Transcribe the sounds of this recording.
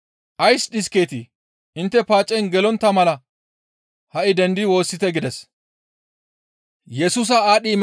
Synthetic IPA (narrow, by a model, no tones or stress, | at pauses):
ʔɐjsɗɪske̞ːt̪ɪ | ʔɪnt̪ːɛpaːt͡ʃʼːɛjnɡɛlɔnt̪ːɐmɐlɐ | hɐʔɪd̪ɛnd̪ɪwo̞ːsːɪt̪ɛɡɪd̪ɛs | jɛsuːs̬ɐaːɗim